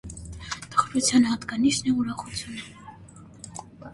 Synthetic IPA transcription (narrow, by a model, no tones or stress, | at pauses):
t̪ə̥χɾut͡sʰjɑnhɑt̪ɡɑniʃnɛuɾɑχut͡sʰjunə